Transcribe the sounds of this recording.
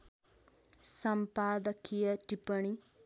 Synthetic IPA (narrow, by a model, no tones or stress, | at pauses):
sɐmpaːd̪ɐkʰijɐʈipəɳ̃i